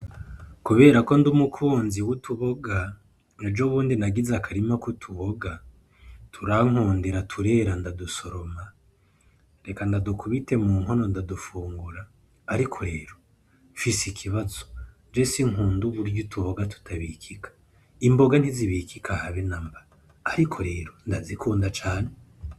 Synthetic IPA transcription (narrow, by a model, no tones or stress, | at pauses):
kuβe̞ːɾako̞ndumukʰuːnziwutʰuβo̞ɡa | ned͡ʒoβuːndinaɡizakaɾimakutʰuβo̞ɡa | tʰuɾaŋ̥oːndeɾatʰuɾe̞ːɾandaduso̞ɾo̞ma | ɾe̞kandadukuβite̞muːŋɦo̞no̞ndadufuːŋɡuɾaː | ɾikʰo̞ɾe̞ːɾo̞ | fisikʰiβazo̥ | d͡ʒesiŋuːnduβuɾɟutʰuβoɡatu̥tʰaβiːkʰikʰḁ | imbo̞ɡan̥hiziβikʰikʰahaβinambaɾː | ɾikʰoɾe̞ːɾo̞ndazikʰuːndat͡ʃaːne